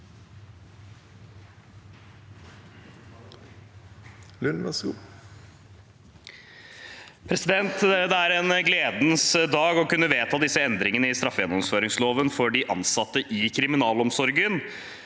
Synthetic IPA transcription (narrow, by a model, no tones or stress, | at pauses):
lʉnmɛsɡu | pʰɾɛsɪd̪ɛnt̪d̪ɛæɾɛnɡleːd̪n̩sd̪ɑːɡɔkʉnːəʋeːt̪ʰɑːd̪ɪsːəɛnd̪ɾɪŋənəɪst̪ɾɑfːjɛnːɔmsføːɾɪŋsloːʋənfɔɖɪʔɑnsɑt̪ːəʔɪkʰɾɪmɪnɑːlɔmsɔɾɡən